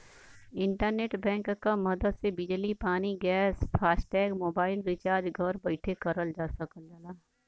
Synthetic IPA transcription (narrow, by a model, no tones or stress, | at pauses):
ɪ̃ɳʈəɾneːʈbɛ̃ːŋkkamɐd̪əd̪sebɪd͡ʒlipaːniɡɛːsfʰaːsʈɛːɡmoːbaːɪlɾɪt͡ʃaːɾd͡ʒɡʱɐɾbɐɪʈʰekɐɾəld͡ʒaːsɐkəld͡ʒalaː